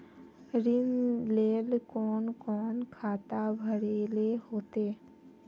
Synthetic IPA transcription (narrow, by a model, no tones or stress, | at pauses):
ɾɪnleːlkɔːnkɔːnkʰaːt̪abʱəɽeːlehoːt̪eː